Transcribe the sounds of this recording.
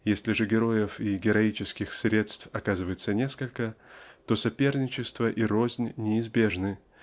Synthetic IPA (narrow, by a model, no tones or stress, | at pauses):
jesʲlʲɪʐɨɡʲɪɾo̞jɪfiɡʲɪɾɐit͡ɕɪskʲɪxsɾʲe̞t̪st̪fɐkazɨvəjɪt̪sənʲe̞skəlʲkət̪o̞sɐpʲe̞rnʲɪt͡ɕɪst̪vəʔiɾo̞zʲnʲnʲɪɪzbʲe̞ʐnɨ